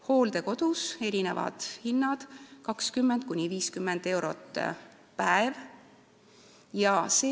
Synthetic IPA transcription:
ho̞ːld̪e̞ko̞d̪̥use̞ɾine̞̰vɑ̰d̪̥hinːɑd̪̥kɑkskymːend̪̥̚kunʲiviːskymːend̪̥e̞wɾo̞̰t̪ːˑ | pæev | jɑse

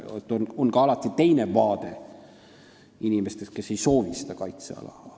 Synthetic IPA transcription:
et̪ːˑononkɑɑlɑt̪ːˑit̪e̞jnevɑːd̪̥e̞ | inime̞st̪eske̞se̞jso̞ːvisid̪̥ɑkɑjt̪sḛɑ̰lɑ̰hɑ

